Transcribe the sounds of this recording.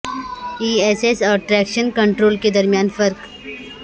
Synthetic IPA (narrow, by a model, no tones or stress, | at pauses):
iːeːsesɔːɾʈɾɛːkʃənkɐ̃ɳʈɾoːlked̪ɐɾmijaːnfɐɾk